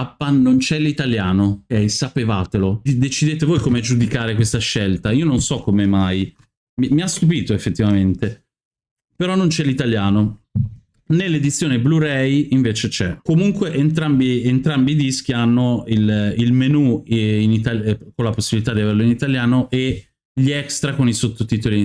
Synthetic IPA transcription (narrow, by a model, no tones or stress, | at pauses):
apːanːont͡ʃɛlit̪aljaːnokɛjsapevaːt̪elod̪et͡ʃid̪eːt̪evoːjkomed͡ʒud̪ikaːɾekwest̪aʃːelt̪aiːononsɔkːomemaj | mimiast̪up̬iːt̪oefːet̪ːivament̪e | peɾɔnːont͡ʃɛlit̪aljaːno | nelːed̪it̪sːjoːnebluɾɛjiɱveːt͡ʃet͡ʃɛkomuŋkweʔent̪ɾambient̪ɾambiːd̪isk̟ianːoililmenuinit̪akonlaposːibilit̪ad̪iaverloinit̪aljaːnoʔe | ʎiɛkst̪ɾakonisot̪ːot̪iːt̪oli